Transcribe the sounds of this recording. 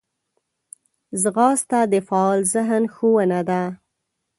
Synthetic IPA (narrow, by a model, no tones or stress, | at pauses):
zɣɑst̪ad̪əfaːlzəɦənxowanad̪a